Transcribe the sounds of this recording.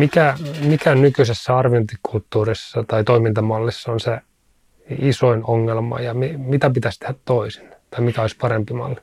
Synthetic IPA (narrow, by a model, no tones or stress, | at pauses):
mikæmikænykysesːæɑrʋiont̪ikʰult̪ːuːrisːɑt̪ɑit̪oimint̪ɑmɑlːisːɑonse | isoinoŋːelmɑ̰jɑmimit̪æpit̪æst̪ehæt̪toisi̥nt̪ɑimikæoisʲpɑɾempimɑ̰lːi̥